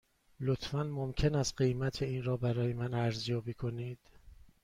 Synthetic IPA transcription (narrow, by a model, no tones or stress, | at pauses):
lot̪ʰfænmomcʰe̞næst̪ɢejmæt̪ʰeiːnɾɒːbæɾɒːje̞mænæɾzjɒːbiːkʰo̞niːd̪̥